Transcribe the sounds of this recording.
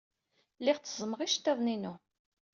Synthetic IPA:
lːɪʁt͡sːəzˤməʁiʃt̪ːæðˤninu

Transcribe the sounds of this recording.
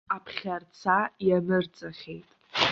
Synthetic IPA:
apʰχʲart͡sʰajanɨrt͡sʼaχʲejtʼ

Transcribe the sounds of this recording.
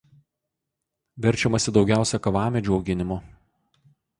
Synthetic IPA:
ʋʲɛɾʲt͡ʃʲɛmɐsʲɪd̪ɒʊɡʲæˑʊsʲɛkɐʋɑːmʲɛd͡ʒʲuɐʊɡʲɪnʲɪmʊ

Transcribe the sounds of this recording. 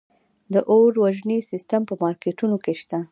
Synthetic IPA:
d̪əʔoɾwaʒnisɪstampəmɑɾkeʈunokeʃt̪a

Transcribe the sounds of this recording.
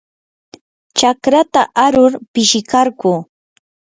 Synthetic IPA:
t͡ʃakɾat̪aʔaɾʊɾpɪʃɪkaɾkuː

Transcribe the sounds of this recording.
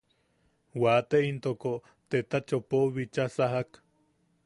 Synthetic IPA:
wat̪eint̪oko | t̪et̪at͡ʃopoβit͡ʃasaɦak

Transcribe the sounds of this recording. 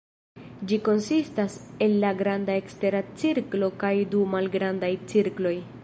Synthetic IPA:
d͡ʒiko̞nsistase̞lːaɡɾandae̞kste̞ɾat͡siɾklo̞kajdumalɡɾandajt͡siɾklo̞j

